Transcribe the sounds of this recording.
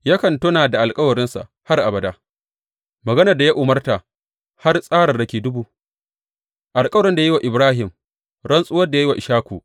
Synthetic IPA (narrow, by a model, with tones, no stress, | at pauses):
ja˦kɐ˨ntʊ˦naː˨da˨ʔa˨lkʼɐ˦wɐ˨ɾɪ˦nsa̰˨ʔ | ha˦rʔa˨bɐ˨daː˦ | mɐ˨ɡɐ˦nɐ˨rda˨ja˦ʔʊ˨mɐ˦rta˨ | ha˦rsʼaː˦ɽɐ˨rdɐ˨kʲeː˨dʊ˦buː˦ | ʔa˨lkʼɐ˦wɾɪ˦nda˨jwa˨ʔɪ˨bɾaː˦ɦɪ˨m | ɽɐ˦nsʼʊ˦wɐ˦rda˨ja˦i˦wa˨ʔɪ˨ʃaː˦kʷuː˨